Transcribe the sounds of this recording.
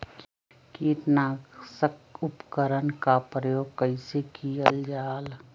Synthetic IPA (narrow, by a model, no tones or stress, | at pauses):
kiːɾnaːsəkʊpkəɾənkapɾəjoːɡ̚kəɪsekiəld͡ʒaːl